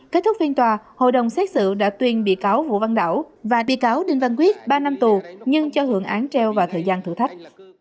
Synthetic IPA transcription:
ke˦˥t̪̚ʊ˦˥k̚fi˧ənt̪waː˨˩ho̰˧˨jɗə˨˩wŋ͡msɛ˦˥t̚sɨ̰˧˨ɗa̰ː˧˥t̪wi˧˩ənɓḭ˧˨kaː˨˦wvṵ˧˨va˧nɗa̰ː˧˩wvaː˨˩ɓḭ˧˨kaː˨˦wɗï˨˩ŋ̟va˨˧˩nkwi˦˥ət̚ɓaː˧na˧mt̪u˨˩ɲɨ˧ŋt͡ɕɔ˧hɨ˧˩əŋʔaː˨˦nt͡ɕɛ˧wvaː˨˩t̪ʰəː˨˩jzaː˧nt̪ʰɨ̰˧˥˨t̪ʰa˦˥jk̟̚

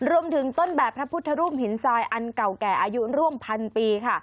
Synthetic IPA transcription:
ɾu˧əmt̪ʰɯ˩˦ŋt̪o˥˩nbɛː˨˩pʰːɾa˦˥pʰu˦˥t̪ʰːa˧ɾuː˥˩p̚hi˩˦nsaː˧jʔa˧nka˨˩wkɛː˨˩ʔaː˧ju˦˥ɾu˥˩əmpʰa˧npiː˧kʰa˥˩

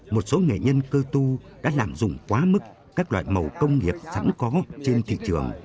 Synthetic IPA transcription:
mo˨˩t̚so˨˦ŋḛ˧˨ɲə˧nkəː˧t̪u˧ɗa̰ː˧˥laː˨˩mzʊ̰˧˨ŋ͡mkwaː˨˦mɨ˦˥k | kaː˦˥k̚lwa̰ː˧˨jmə˨˩wkə˧wŋ͡mŋi˨˩əp̚sa̰˧˥nkɔ˨˦t͡ɕe˧nt̪ʰḭ˧˨t͡ɕɨ˨˩əŋ

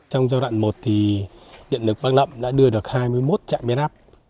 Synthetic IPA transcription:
t͡ɕɔ˧wŋ͡mzaː˧wɗwa̰ː˧˨nmo˨˩t̚t̪ʰi˨˩ɗḭ˧˨ənlɨ˨˩k̚ɓaː˦˥k̚lə̰˧˨mɗa̰ː˧˥ɗɨ˧əɗɨ˨˩ək̚haː˧jmɨ˧əjmo˦˥t̚t͡ɕa̰ː˧˨ŋɓi˧nʔaː˦˥p̚

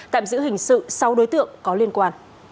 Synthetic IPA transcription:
t̪a̰ː˧˨mzɨ̰˧˥hï˨˩ŋ̟sɨ̰˧˨sa˨˧wɗo˨˦jt̪ɨ̰˧˨əŋkɔ˨˦li˧ənkwaː˧n

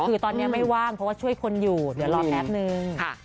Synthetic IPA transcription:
kɯː˧t̪ɔː˧nːi˦˥ɐma˥˩jwaː˥˩ŋpʰɔ˦˥waː˥˩t͡ɕʰu˥˩əjkʰo˧njuː˨˩dɯ˩˦lɔː˧˩pʰɛ˦˥p̚nɯ˧ŋʰa˧˩

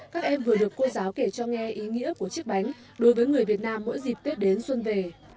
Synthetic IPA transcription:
kaː˦˥k̚ʔɛ˧mvɨ˨˩əɗɨ˨˩əkːo˧zaː˨˦wke˧˩t͡ɕɔ˧ŋɛ˧ʔi˨˦ŋḭ˧˥əku˧˩ət͡ɕɨ˦˥k̚ɓa˨˦jŋ̟ | ɗo˨˦jvəː˨˦jŋɨ˨˩əjvi˨˩ət̚naː˧mːo̰˧˥jzi˨˩p̚t̪wt̚ɗe˨˦nswə˧nve˨˩

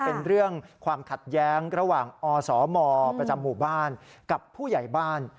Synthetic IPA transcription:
pe˧nɾɯ˥˩əŋkʰwaː˧mkʰa˨˩t̪̚jɛː˦˥ŋɾa˧waː˨˩ŋʔɔː˧sɔː˩˦mɔː˧pɾa˧t͡ɕa˧mːuː˨˩baː˥˩nka˨˩pʰːuː˥˩ja˨˩jbaː˥˩n

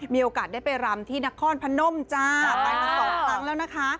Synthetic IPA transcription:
miː˧ʔoː˧kaː˨˩t̪̚daː˥˩jpa˧jɾa˧mt̪ʰiː˥˩na˦˥kʰːɔː˧˥˩npʰa˧˥no˧˥˩mt͡ɕaː˥˩˧a˧jtʰa˧ɔː˧˩la˦˥ŋlɛː˦˥wna˦˥kʰa˦˥

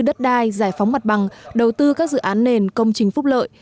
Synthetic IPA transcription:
ɗə˦˥t̚ɗaː˧jzaː˧˩jfwŋ͡mma˨˩t̚ɓa˨˩ŋɗə˨˩wt̪ɨ˧kaː˦˥k̚zɨ̰˧˨ʔaː˨˦nːe˨˩nkə˧wŋ͡mt͡ɕï˨˩˦ŋ̟fʊ˦˥k͡p̚lə̰ː˧˨jj

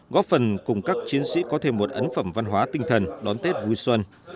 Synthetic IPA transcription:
ɣɔ˦˥p̚fə˨˩nkʊ˨˩ŋ͡mkaː˦˥k̚t͡ɕi˨˦ənsḭ˧˥kɔ˨˦t̪ʰe˧˩mːo˨˩t̚ʔə˨˦nfə˧˩mva˧nɦwaː˨˦t̪ï˧ŋ̟t̪ʰə˨˩nɗɔ˨˦nt̪e˦˥t̚vu˧jswə˧n

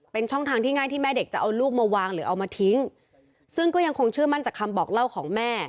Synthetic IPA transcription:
pe˧nt͡ɕʰɔ˥˩ŋt̪ʰaː˧ŋt̪ʰiː˥˩ŋa˥˩jt̪ʰiː˥˩mɛː˥˩de˨˩k̚t͡ɕa˨˩ʔa˧luː˥˩k̚maː˧waː˧ŋɾɯː˩˦ʔa˧wmaː˧t̪ʰi˦˥ŋ | sɯ˥˩ŋkɔː˥˩ja˧ŋkʰo˧ŋt͡ɕʰɯ˥˩ɐma˥˩nt͡ɕaː˨˩kʰːa˧mbɔː˨˩k̚la˥˩wkʰɔː˩˦ŋmɛː˥˩

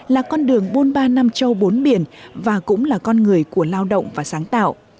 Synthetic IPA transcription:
laː˨˩kɔ˧nɗɨ˨˩əŋɓo˨˦nɓaː˧na˧mt͡ɕə˧wɓo˨˦nɓi˧˩ənvaː˨˩kʊ̰˧˥ŋ͡mlaː˨˩kɔ˧nŋɨ˨˩əjku˧˩əlaː˧wɗə̰˧˨wŋ͡mvaː˨˩saː˨˦ŋt̪a̰ː˧˨wʔ

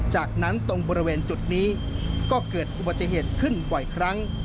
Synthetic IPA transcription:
t͡ɕaː˨˩k̚na˦˥nt̪o˧ŋbɔː˧ɾi˧weː˧nt͡ɕu˨˩t̪̚niː˦˥ | kɔː˥˩kɤː˨˩t̪̚ʔu˨˩ba˨˩t̪ːi˨˩ɦeː˨˩t̪̚kʰɯ˥˩nbɔ˨˩jkʰɾa˦˥ŋ

